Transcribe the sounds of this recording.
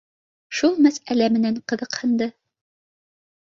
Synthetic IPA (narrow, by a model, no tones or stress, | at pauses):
ʃulˠmæsælæmɘ̆næɴqɤ̆ðɤ̆qhɤ̆nd̪ɤ